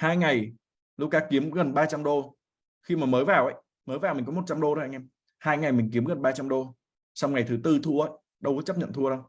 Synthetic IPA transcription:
haː˧jŋa˨˩j | lu˦˥kaː˧ki˨˦əmɣə˨˩nɓaː˧t͡ɕa˧mɗo˧ | xi˧maː˨˩məː˨˦jvaː˨˩wʔə̰˧˦j | məː˨˦jvaː˨˩wmï̟˨˩kɔ˨˦mo˨˩t̚t͡ɕa˧mɗo˧o˧˦ʔa˧jŋʔɛ˧m | haː˧jŋa˨˩jmï˨˩ŋ̟k̬i˨˦əmɣə˨˩nɓaː˧t͡ɕa˧mɗo˧ | sa˧wŋ͡mŋa˨˩jt̪ʰɨ˨˦t̪ɨ˧t̪ʰu˧əʔə˧˨j | ɗə˧wkːt͡ɕə˦˥p̚ɲə̰˧˨t̪ʰu˧əɗə˧w

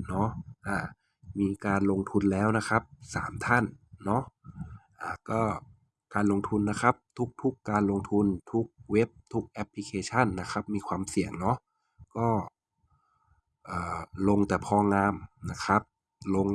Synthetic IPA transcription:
nɔ˦˥ʔaː˨˩ | miː˧kaː˧nlo˧ŋt̪ʰu˧nlɛː˦˥wna˦˥kʰa˦˥p̚sa̰ː˩˦mt̪ʰa˥˩nːɔ˦˥ʔʔaː˨˩kɔː˥˩ | kaː˧nlo˧ŋt̪ʰu˧nːa˦˥kʰa˦˥p̚t̪ʰu˦˥k̚t̪ʰu˦˥kːaː˧nlo˧ŋt̪ʰu˧nt̪ʰu˦˥k̚we˦˥p̚t̪ʰu˦˥k̚ʔɛ˦˥pʰli˧kʰeː˧t͡ɕʰa˥˩nːa˦˥kʰa˦˥p̚miː˧kʰwaː˧msi˨˩əŋnɔ˦˥ʔ | kɔː˥˩ | ʔɤː˨˩lo˧ŋt̪ɛː˨˩pʰɔː˧ŋaː˧mna˦˥kʰa˦˥p̚ | lo˧ŋ

